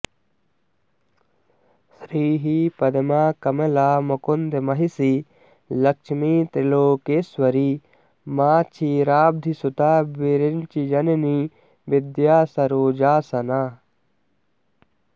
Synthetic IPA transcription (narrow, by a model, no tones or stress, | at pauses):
sɾiːɦipɐd̪ɐmaːkɐmelaːmɐkund̪emɐɦisi | lɐkʃmiːt̪ɾiloːkeːswɐɾi | maːt͡ʃʰiɾaːb̚d̪ʱisut̪aːbiɾɪnt͡ʃid͡ʒɐneni | ʋɪd̪jaːsɐɾoːd͡ʒaːsɐnaː